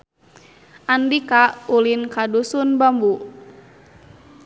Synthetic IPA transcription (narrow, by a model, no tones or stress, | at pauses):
ʔandikaulinkadusunbambu